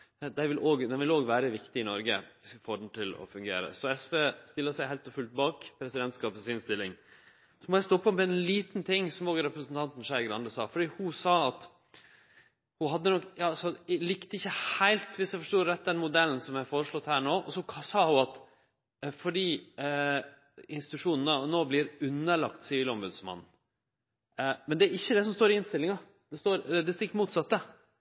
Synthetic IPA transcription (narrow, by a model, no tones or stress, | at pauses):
d̪æɪʋɪlʔoːɡd̪ɛnʋɪloːɡʋæːɾəʋɪkt̪ɪɪnɔɾɡəɪsfoːɖɳ̩t̪ʰɪlɔ̰fʉŋɡḛːɾə̰sɔɛsʋeːst̪ɪlːəsæɪhæɪlt̪ɔfʉlt̪̚bɑːkpʰɾɛsɪd̪ɛnt̪skɑːpəsɪnst̪ɪlːɪŋ | sɔmɔjæɪst̪ɔpːɔmmɛɛnliːt̪nt̪ʰɪŋːsɔmɔːɡɾɛpɾəsənt̪ʰɑnt̪n̩ʂæɪɡɾɑ̰nd̪əsɑ̰ːfɔɖiːhʊsɑːɑt̪ | hʊhɑd̪ːənɔkjɑːsɔlɪkt̪əɪçːəhæɪlt̪ʋɪsjæɪfɔʂʈtoːɾɛt̪̚ːd̪ɛnmʊd̪ɛln̩sɔmjæfoːɾəʂɭɔt̪ːhæːɳoːʔɔsɔkʰsɑːhʊɑt̪ | fɔɖiː | ɪnst̪ɪt̪ʉʂuːnn̩ɑnoːblɪɾʉnːəɭɑ̰kt̪sɪʋɪlɔmbʉd̪smɑ̰nn̩ | mɛnd̪ɛæɾɪçːəd̪ɛs̬ɔmst̪oːɾɪɪnst̪ɪlːɪŋɑ | d̪̥ɛst̪oːɾd̪ɛst̪ɪkːəmuːt̪sɑt̪ːə